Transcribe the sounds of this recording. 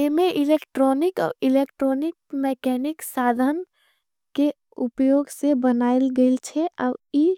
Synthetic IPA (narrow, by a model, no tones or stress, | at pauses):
emeʔɪleːkʈɾɔːnɪkɔ̰ːɾilekʈɾɔːnɪk̚mɛkɛːnɪksaːd̪ʱən | ke | upjoːɡsebənaːlɡəɪlt͡ʃʰeʔɔːi